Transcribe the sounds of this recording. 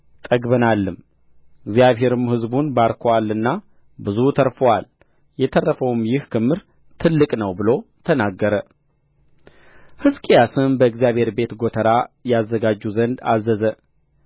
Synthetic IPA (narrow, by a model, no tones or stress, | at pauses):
t̪ʼəɡbənalːɨm | ɨɡzijaβɦe̞ɾɨmhɨzbunbaɾkʰowalːɨnːa | bɨzut̪ʰəɾfowal | jɛt̪ʰərːəfəwmjɪhkʰɨmːɨɾ | t̪ʰɨlːɨkʼnəwbɨlo̞t̪ʰənaɡːəɾə | hɨskʼijasɨmbəɨɡzijaβhe̞ɾbe̞t̪ɡot̪ʰəɾajazːəɡad͡ʒːuzənd̪a̰zːəzə